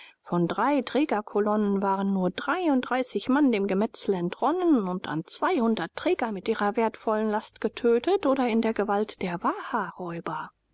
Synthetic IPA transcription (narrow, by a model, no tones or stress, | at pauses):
fɔndʁaɪtʁ̥ɛːɡɐkʰɔlɔnənvaːʁənːuːɐdʁaɪʊnt̚d̥ʁaɪsɪçmandeːmɡəmɛt͡sl̩ɛntʁ̥ɔnənʊntʰa̰nt͡sv̥aɪhʊndɐtːʁ̥ɛːɡɐmɪtʔiːʁɐveːɐtfɔlənlastɡ̥ətʰøːtətʔoːdɐɪndeːɐɡəvaltd̥eːɐvaːhaʁɔʏbɐ